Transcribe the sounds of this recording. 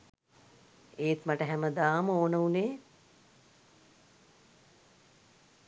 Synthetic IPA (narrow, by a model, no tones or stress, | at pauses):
eːt̪məʈəɦæməd̪aːməoːnəuneː